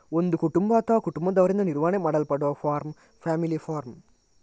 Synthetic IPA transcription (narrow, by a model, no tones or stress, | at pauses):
ɔnd̪ɯkʊʈːʊmbaːt̪ːaːkʊʈʊmbɐd̪ɐʋɐɾɪnd̪ɐnɪɾʋaːnɐmɐɽɐlpɐɽoːfaːɾm | faːmɪlifaːɾm